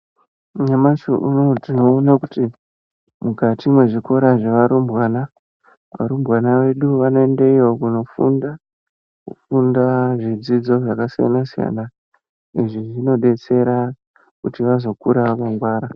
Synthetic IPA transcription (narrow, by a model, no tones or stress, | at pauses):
ɲamat͡ʃoʔunotino̞ːnakuti | mukatimwe̞ʐiko̞ɾaʐeʋaɾumbwana | ʋa̰ɾumbwanaʋe̞ɗuʋano̞e̞ndeiʋo̞kuno̞fṵnda | kufundaʐid͡zid͡zo̞ʐakasija̰nasija̰na | iʐiʐino̞ɗe̞t͡se̞ɾa | kutiʋazo̞kuɾaʋakaŋɡwaːɾa